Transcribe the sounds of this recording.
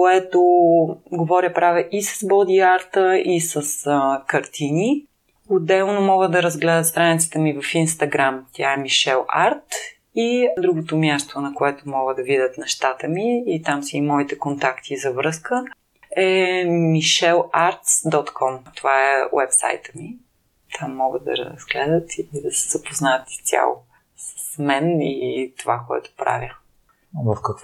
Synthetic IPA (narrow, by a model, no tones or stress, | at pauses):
oɛt̪oɡovɔɾʲəpɾavɛʔisə̥sbɔd̪ʲiaɾt̪əisəskɐɾt̪ʰini | od̪ɛlˠnomɔɡəd̪ɐɾɐzɡlɛd̪ət̪st̪ɾanit̪sə̥t̪əmivɐfinst̪ɐɡɾamt̪ʲjaɛmiʃɛlˠa̰ɾt̪ | id̪ɾuɡot̪omjast̪onɐkoɛt̪omɔɡəd̪ɐvid̪ʲət̪nɛʃt̪at̪əmiːt̪amsiimɔit̪ɛkont̪akt̪ʰizɐvɾɤskə | ɛmiʃɛlˠaɾt̪sd̪ɔt̪kʰɔmt̪ovaɛwɛpsa̰jt̪ə̥mi | t̪ʰamːɔɡət̪d̪ɐ̰ɾəəzɡlɛd̪ət̪iid̪ɐsɛ̥zɐpoznat̪st̪ʲja̰lˠo̰ | sə̥smɛnit̪ovakoɛ̰t̪o̥pɾa̰vʲjə | vəfkɐk